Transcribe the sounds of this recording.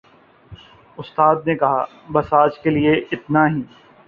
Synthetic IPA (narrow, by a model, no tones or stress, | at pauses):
ʊst̪aːd̪̚nekɐɦa̰ː | bɐsaːt͡ʃkelieʔɪt̪naɦĩː